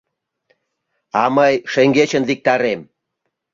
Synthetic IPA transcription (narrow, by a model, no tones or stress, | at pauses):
ɑməjʃeŋɡet͡ɕənlik̚t̪ɑɾem